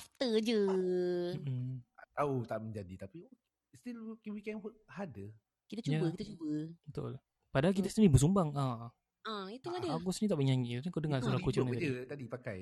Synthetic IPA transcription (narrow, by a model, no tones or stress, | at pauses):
aft̪əd͡ʒə | m̩at̪aut̪aʔməɲd͡ʒadit̪api | st̪ilkinwikɛ̃nɦɔt̚hadə | kit̪at͡ʃubəkit̪ət͡ʃubəbət̪ʊ̰l | padaɦalkit̪əst̪ənĩbəs̬umbaŋa | ʔait̪uŋadəaɡɔsnit̪aʔməɲaɲɡit̪apiŋkadəŋŋaslakut͡ʃnid͡ʒət̪adipaka̰j